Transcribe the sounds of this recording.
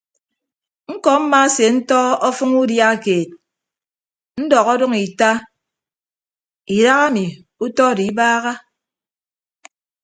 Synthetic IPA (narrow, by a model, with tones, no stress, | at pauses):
ŋ̩˦kɔ˨m̩˦ma˦se˨n̩˦tɔ˦ɔ˦fɨ˦ŋu˦dja˦˨keː˨t̚ | n̩˦dɔ˨ɣɔ˦dɔ˦ŋi˨ta˦ | i˨ɾa˦ɣa˦mi˨ | u˦tɔ˦˨di˨˦baː˦ɣa˦